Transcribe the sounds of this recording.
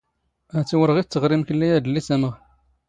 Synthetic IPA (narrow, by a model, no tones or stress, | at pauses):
æt͡sːiwəɾəʁiθt͡sːəʁɾimkəlːijæd̪əlːisæməʁ